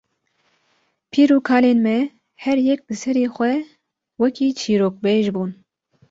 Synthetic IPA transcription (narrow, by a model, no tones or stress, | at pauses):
pʰiːɾuːkʰaːleːnmɛ | hɛɾjɛk̚lɨsɛɾeːxʷɛ | wɛkʰiːt͡ʃʰiːɾoːk̚beːʒbuːn